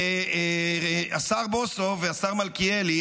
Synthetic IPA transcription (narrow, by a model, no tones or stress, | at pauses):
e | asaʁbosoveasaʁmalkieli